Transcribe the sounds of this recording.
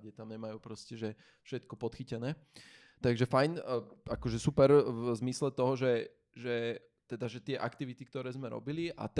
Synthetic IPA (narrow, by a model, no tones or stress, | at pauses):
ɟɛt̪amɲɛmajuːpɾɔscɛʒɛ | fʃɛt̪kɔpɔt̪xicɛnɛː | t̪aɡʒɛfajnakɔʒɛsupɛɾvzmislɛt̪ɔɦɔʒɛ | ʒɛ | t̪ɛd̪aʒɛt̪ɪɛʔakt̪iʋit̪ik̚t̪ɔɾɛːzmɛɾɔ̰biliʔa̰t̪